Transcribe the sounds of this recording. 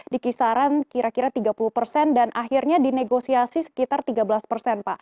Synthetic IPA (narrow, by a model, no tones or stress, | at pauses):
dikisaɾankiɾakiɾat̪iɡapuluhpərsɛndanʔahirɲadineɡosiasisə̥kit̪art̪iɡabəlaspərsɛnpa